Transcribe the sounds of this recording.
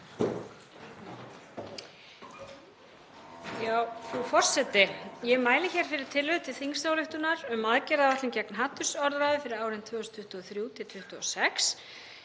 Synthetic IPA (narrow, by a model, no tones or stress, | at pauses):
jaːwfufɔr̥sɛt̪ɪjɛmaːjlɪçɛɾ̥fɪɾɪɾ̥t̪ʰɪlvʏðt̪ʰɪ̥θiŋst̪awlʏht̪ʏnaɾʏmaðcɛɾðaðaht̪lɪncɛknɦaːt̪ʏsɔɾðɾaːjðʏfɪɾɪɾaːwɾɪnt̪ʰvœːst̪ʰʏht̪ɔθɾjuːt̪ʰɪlt̪ʰʏht̪ʏɔ̰sɛks